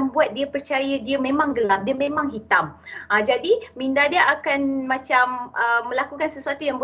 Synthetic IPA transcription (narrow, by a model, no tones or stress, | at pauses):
nbuat̪̚diəpərt͡ʃajadiəmẽmãŋɡəlap̚diəmẽmãŋɦit̪amad͡ʒadimĩndadiəakanmãt͡ʃaməmːə̃lakukansəsuat̪ujaŋbu